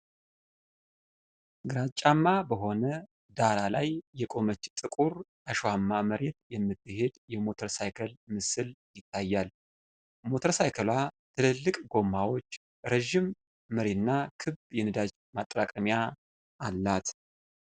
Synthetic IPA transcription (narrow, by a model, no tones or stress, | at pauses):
ɡɨɾat͡ʃʼamːabəɦo̞nə | d̪aɾalajːɛkʼo̞mət͡ʃːt̪ʼɨkʼuɾʔaʃoamːaməɾet̪jɛmːɨt̪ːɨhe̞d̪jɛmo̞t̪ʰəɾsajkʰəlmɨsɨljɪt̪ʰːajːal | mo̞t̪ʰəɾsajkʰəlwat̪ʰɨlɨlːɨkʼɡo̞mːawo̞t͡ʃː | ɾəʒːɪmː | əɾenːakʰɨbjɛnɨd̪ad͡ʒ | mat̪ʼɾakʼəmja | ʔːlːat̪